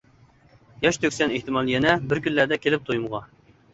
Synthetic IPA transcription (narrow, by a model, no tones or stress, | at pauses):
jɑʃt̪ʰøkʲsɛneht̪ɨmɑlˠjɛnɛbɪɾkʲynlːæɾd̪ɛkʲʰelɪp̚t̪ʰojumʁɑ